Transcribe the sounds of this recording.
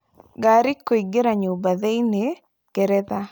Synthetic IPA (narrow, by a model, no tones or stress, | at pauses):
ɡaɾikoiɡeɾaɲobaðeine | ɡ̥ɛɾɛða